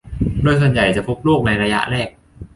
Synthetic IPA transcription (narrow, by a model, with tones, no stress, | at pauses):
doː˧˩əjsu˨˩ənja˨˩jt͡ɕa˨˩pʰu˦˥k̚luː˥˩k̚na˧jɾa˧ja̰˦˥ʔɾɛː˥˩k̚